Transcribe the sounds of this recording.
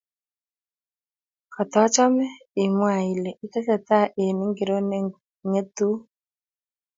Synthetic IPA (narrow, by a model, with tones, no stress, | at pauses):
kʰɔ˨t̪ɔ˨˦t͡ʃɔ˦mɛ˦ | i˨mwa˨i˨lɛ˨ʔi˦kɛ˦sɛ˦t̪a˦˨ʔe˨ni˦ŋɡɪ˨ɾo˦n˦ | ŋɛ˦t̪u˦